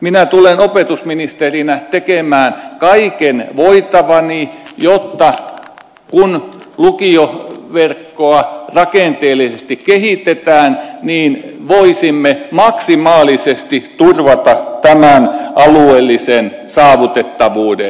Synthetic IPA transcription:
minæt̪ulenopet̪usminist̪erinæt̪ekemæːnkɑikenʋoit̪ɑʋɑnijot̪ːɑ | kun | lukioʋerkːoɑrɑkent̪eːlisest̪ikkehit̪et̪æːnniːnʋoisimːemɑksimɑːlisest̪it̪urʋɑt̪ɑt̪æmænʔɑlueːlːisensɑːʋut̪et̪ːɑʋuːde

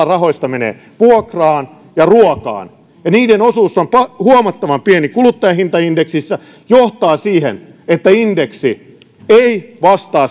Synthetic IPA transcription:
ɑrɑɦo̞ist̪ɑmenḛː | puokrɑːn | jɑruokɑ̰ːn | jɑniːdenosuːsːompɑhuomɑt̪ːɑʋɑmpienikulut̪ːɑjɑhint̪ɑindeksisːæ | joht̪ɑːsiːhḛn | et̪ːæindeksi | eiʋɑst̪ɑː

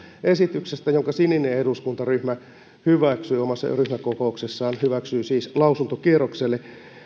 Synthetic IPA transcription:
esit̪yksest̪æjoŋkɑsinːineeduskunt̪ɑryhmæ | hyʋæksyːomɑsːɑ̰ryhmækokouksesːɑːnhyʋæksyːsiːslɑusunt̪okierokselːe

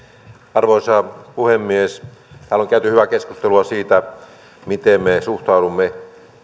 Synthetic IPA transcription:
ɑrʋoisɑpuhemːiest̪æːlːoŋkæyt̪yhyʋækeskust̪eluɑsiːt̪æ | mit̪emmesuht̪ɑˑudumːe

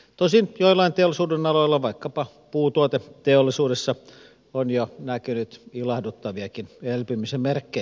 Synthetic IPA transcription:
t̪osinjoilːˑɑint̪eolːˑisuːdenɑloilːɑʋɑikːɑpɑ | puːt̪uot̪et̪eolːˑisuːdesːɑ | onjonækynyt̪ilɑhdut̪ːɑʋiɑkinelpymisemmerkːe

